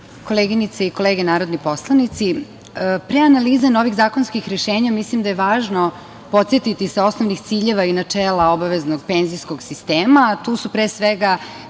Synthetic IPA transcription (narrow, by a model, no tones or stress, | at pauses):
ko̞leːɡinit̪seiko̞leːɡenaːɾo̞d̪nipo̞slˠanit̪si | pɾeanaliːzano̞ʋiɣzaːko̞nskixɾeʃeːɲamislimd̪ajeʋaːʒno̞ | po̞t̪sjet̪it̪iseo̞snoʋnixt̪siːʎe̞ʋainat͡ʂeːlao̞baʋezno̞ɡpenzijskoɡsist̪eːmat̪uːsupɾeːsʋeɡa